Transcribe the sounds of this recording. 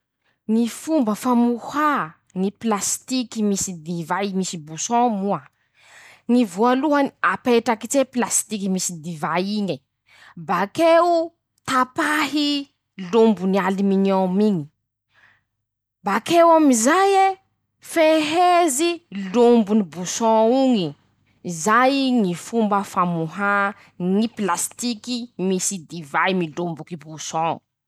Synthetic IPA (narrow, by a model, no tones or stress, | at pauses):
nifumbəfamuha | niplast̪ikimisid̪ivajimisibusɔ̃mua | nivualuɦaniapeʈ͡ʂakit͡seplast̪ikimisid̪ivajiɲi | bakeu | t̪apahi | lombunialiminomiɲi̥ | bakewamizaje | feɦezilumbunibusɔ̃uŋi | zajŋifumbəfamuɦa | ŋiplast̪ikimisid̪ivajmilumbukibusɔ̃